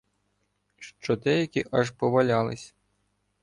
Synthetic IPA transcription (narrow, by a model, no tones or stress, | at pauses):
ʃt͡ʃɔd̪ɛjɐkʲiʔɑʒpɔʋɐlʲɑlˠɪsʲ